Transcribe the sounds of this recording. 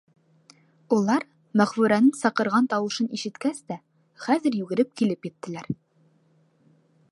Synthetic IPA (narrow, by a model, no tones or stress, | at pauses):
ulˠɑɾ | mæχfʉɾænɘŋsɑqɤ̆ɾʁɑnt̪ɑwɤ̆ʃɤniʃɘ̆t̪kæst̪æ | χæzɘ̆ɾjʉɡɘ̆ɾɘp̚kilɘpjɘ̆t̪ːɘ̆læɾ